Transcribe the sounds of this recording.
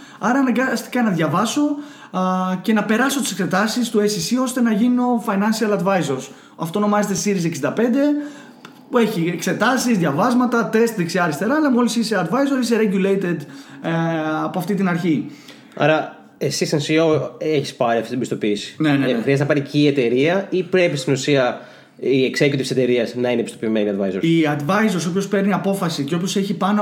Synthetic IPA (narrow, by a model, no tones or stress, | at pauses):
ɐɾɐɐnɐŋɡɐst̪i̥kɐnɐðʝɐvɐso̞ | ce̞nɐpe̞ɾɐso̞t̪i̥se̞kse̞t̪ɐsist̪uesisio̞st̪e̞nɐʝino̞fɐjnɐnsiɐlɐd̪vɐjzo̞ɾs | ɐft̪o̞no̞mɐze̞t̪esisiɾiseksind̪ɐpe̞nd̪e̞ | e̞çiekse̞t̪ɐsizðʝɐvɐzmɐt̪ɐt̪e̞st̪ðeksiɐɾist̪e̞ɾɐːlɐmo̞lisiseɐd̪vɐjzo̞ɾis̬eɾeʝulejt̪ed̪ | ɐpoɐft̪it̪̬inɐɾçi | ɐ̰ɾɐ | esisɐnsioeçi̥spɐɾiɐft̪it̪bist̪o̞piːsi̥neneeixɾiɐznɐpɐɾicie̞t̪e̞ɾiɐipɾe̞pist̪inusiɐ | ieksecut̪ise̞t̪e̞ɾiɐznɐinebist̪o̞pime̞niɐd̪vɐjzo̞ɾiɐd̪vɐjzo̞ɾso̞pço̞spe̞ɾniɐpo̞fɐsiceo̞pço̞seçipɐn